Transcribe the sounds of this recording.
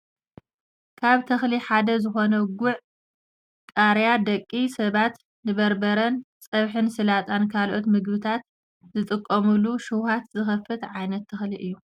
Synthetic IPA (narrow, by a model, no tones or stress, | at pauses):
kʰaβt̪ʰɐxliħad̪ɐzɨxo̞nɐɡʊʕ | kʼaɾjad̪ɐkʼːisɐβat̪ | nɨβɐɾbɐɾɐn | t͡sʼɐβħɨnsɨlat̪ʼankʰalʔot̪mɨɡbɨt̪ʰat̪ | zɨt̪ʼɨkʼːɐmuluʃuwhat̪zɨxɐfːɨt̪ʕajnɐt̪ʰːɐxliʔɨjːu